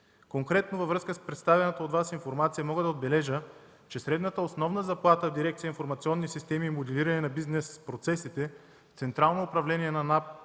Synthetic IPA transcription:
koŋkɾɛt̪novəvɾɤskəspɾɛt̪st̪avʲjɐnət̪əoːd̪vasinfoɾmat̪sijəmɔɡəd̪ɐod̪̚bɛlɛʒə | t͡ʃɛsɾɛd̪nət̪əosnɔvnəzɐplˠat̪əvd̪iɾɛk̚t̪sijəinfoɾmɐt̪siɔnːisist̪ɛmiːmod̪ɛliɾɐnɛnɐbiznɛspɾot̪sɛsit̪ɛ | ft̪sɛnt̪ɾalˠnoːpɾɐvlɛnʲiɛnɐnap̚

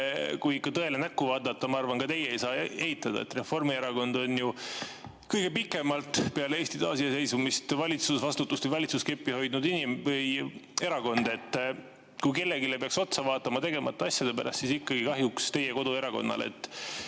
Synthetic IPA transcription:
kujikːɑt̪ɤe̞lenækːuvɑːd̪ɑt̪ːˑɑmɑɑrvɑnkɑt̪e̞jːeejsɑːe̞hit̪ːˑɑd̪̥ɑ̰ḛt̪re̞fo̞rmie̞ɾɑko̞nd̪o̞nju | kɤjɡ̥e̞pikːˑe̞mɑlt̪ˑpeɑleeːst̪id̪ɑ̰ːsiɑse̞jsumist̪vɑlʲit̪susvɑst̪ut̪ːˑust̪vəvɑlʲit̪suskepːiho̞jd̪̥nud̪inimvɤje̞ɾɑko̞nd̪̥e̞t̪ː | kujke̞lːe̞ɡilepeɑkso̞t̪sɑvɑːt̪ːˑɑmɑt̪e̞ɡe̞mɑt̪ːˑɑɑsʲjɑd̪̥e̞pæɾʔɑ̰st̪sisikːɑɡikɑɦjukst̪e̞jeko̞d̪ue̞ɾɑko̞̰nːɑ̰lḛt̪ː

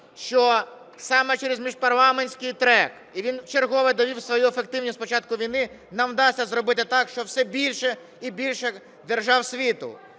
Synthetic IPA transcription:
ʃt͡ʃɔ | sɑmɛt͡ʃɛɾezmʲiʒpɐrlˠɑmenʲsʲkɪjt̪ɾɛk | iʋʲint͡ʃerɦɔʋɪd̪ɔʋʲiwsʋɔjuefek̚t̪ɪwnʲispɔt͡ʃɑt̪̚kʊʋʲijnɪ | nɐwd̪ɑsʲːɐzɾɔbɪt̪ɪt̪ɑkʃt͡ʃɔwsɛbʲilʲʃɛ | ibʲilʲʃɛ | d̪erʒɑwsʲʋʲit̪ʊ̰

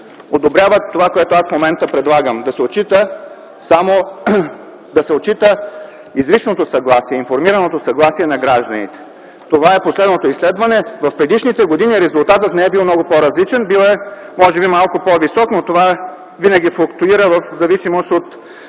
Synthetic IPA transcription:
od̪obɾʲjavət̪ːovakoɛt̪oasfmomɛnt̪əpɾɛd̪lˠaɡəmd̪ɐsɛot̪t͡ʃit̪ə | samo | d̪ɐsɛot̪t͡ʃit̪ə | izɾit͡ʃnot̪osɐɡlˠasiɛinfoɾmiɾɐnot̪osɐɡlˠasiɛnɐɡɾaʒd̪ɐnit̪ɛ̥ | t̪ovaɛposlɛd̪not̪oislɛd̪vɐnɛvɐfpɾɛd̪iʃnit̪ɛɡod̪iniɾɛzulˠt̪at̪ət̪nɛɛbilˠmnɔɡʊpoɾɐzlit͡ʃɛnbilˠɛmɔʒɛbimalˠkʊpovisɔknot̪ova | vinɐɡʲifʊkt̪uiɾəvɐfzɐvisimost̪ot̪

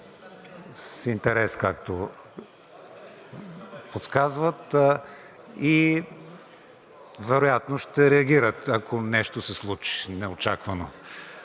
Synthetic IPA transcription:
sint̪ɛɾɛskakt̪o | pot̪skazvət̪ | i | vɛɾojat̪noʃt̪ɛɾɛɐɡʲiɾət̪ɐkʰonɛʃt̪osɛslˠut͡ʃi̥nɛot͡ʃakvɐno

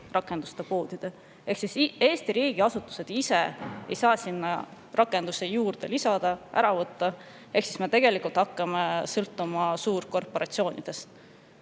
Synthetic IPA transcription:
rɑkːˑe̞nd̪u̥st̪epo̞ːd̪̥id̪̥e | e̞ksise̞ːst̪iɾiːɡ̥iɑsut̪ːˑu̥se̞d̪̥ise̞e̞̰jsɑːsinːɑ | rɑkːˑe̞nd̪̥use̞juːrd̪̥e̞lisɑd̪̥ɑʔæ̰ɾɑvɤt̪ːɑ | eksisme̞t̪e̞ɡ̥e̞likult̪hɑkːɑmesɤlt̪ːˑumɑsuːɾko̞rpo̞ɾʔɑ̰t̪sio̞ːnid̪̥e̞s

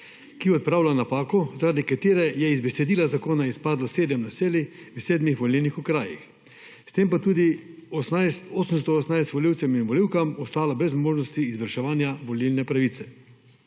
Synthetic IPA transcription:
kiɔt̪̚pɾaːwlanapaːkɔzaɾad̪ikat̪eːɾɛjɛizbɛsɛd̪iːlazakoːnaispaːd̪laseːd̪əmnaseːliwseːd̪mixʋɔliwnixukɾaːjḭx | st̪eːmpat̪uːd̪i | st̪oːsəms̬t̪ɔɔsnajst̪ʋɔliwt̪sɛminʋɔliwkamɔst̪aːlabɾɛzmoːʒnɔst̪iːzʋəɾʃɛʋaːnjaʋɔlilnɛpɾaʋit̪sɛ

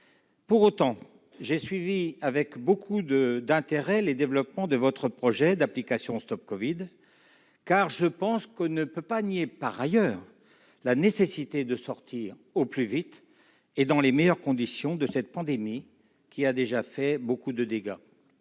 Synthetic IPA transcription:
puʁot̪ɑ̃ | ʒesɥiviavɛkbokʰud̪əd̪ɛ̃t̪eʁɛled̪evlɔpmɑ̃d̪əvɔt̪χəpχɔʒɛd̪aplikasjɔ̃st̪ɔp̚kɔvid̪ | kaʁʒəpɑ̃skənəpøpaniepaʁajœːʁ | lanesesit̪ed̪əsɔʁt̪ʰiʁ | oplyvit̪ | ed̪ɑ̃lemɛjœʁkɔ̃d̪isjɔ̃d̪əsɛt̪̚pɑ̃d̪emi | kʲiad̪eʒafɛbokud̪əd̪eɡa

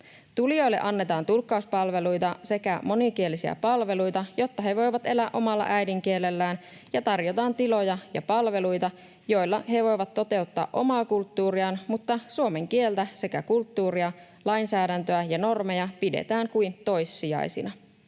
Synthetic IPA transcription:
t̪ulijo̞jlːe̞̰ʔɑnːe̞t̪ɑːnt̪ulkːɑuspɑlʋe̞lujt̪ɑse̞kæmo̞nikielːisiæ̰pɑlʋe̞lujt̪ɑjo̞t̪ːɑɦe̞ʋo̞jʋɑt̪e̞læːʔo̞mɑlːɑ̰ʔæjdiŋk̟ie̞lːe̞lːæːn | jɑt̪ɑrjo̞t̪ɑːnt̪ilo̞jɑjɑpɑlʋe̞lujt̪ɑ | jo̞jlːɑɦe̞ʋo̞jʋɑt̪ːo̞t̪e̞ut̪ːɑ̰ːʔo̞̰mɑːkult̪ːuːɾiɑnmut̪ːɑsuome̞ŋkie̞lt̪æse̞kækult̪ːuːɾiɑ | lɑjnsæːdænt̪øæjɑno̞rme̞jɑpidḛt̪æːŋkujnt̪o̞jsːiɑ̰jsḭnɑ

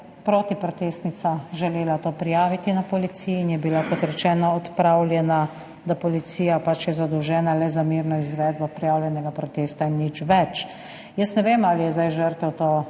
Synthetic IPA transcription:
pɾoːt̪ipɾɔt̪eːst̪nit̪saʒɛleːlat̪oːpɾijaːʋit̪inapɔlit̪sijiːnjɛbilakɔt̪ɾɛt͡ʃɛːnɔɔt̪pɾawlʲjɛna | d̪apɔlit̪siːjapat͡ʃjɛzad̪ɔwʒɛːnalɛzamiɾnɔizʋɛːd̪bɔpɾijaːwlʲjɛnɛɡapɾɔt̪eːst̪ainːit͡ʃʋɛt͡ʃ | jəsnɛʋemaːlijɛzd̪ajʒəɾt̪ɛwt̪o

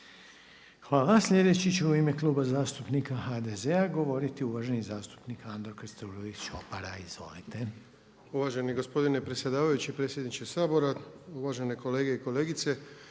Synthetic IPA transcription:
xʋaːlasʎʲe̞d̪e̞t͡ɕit͡ɕuuime̞klˠuːbazaːst̪upnikaxad̪ezeaɡo̞ʋo̞ɾit̪iuʋaʒe̞nizaːst̪u̥pnikand̪ɾokest̪oɾoiʃo̰paɾaizʋo̞̰lḭt̪e̞ | uʋaʒeniɡo̞spo̞d̪inepɾesʲje̞d̪aːʋajut͡ɕipɾesjed̪nit͡ʃesaːbo̞ɾauʋaːʒe̞neko̞leːɡeiko̞leːɡit̪se

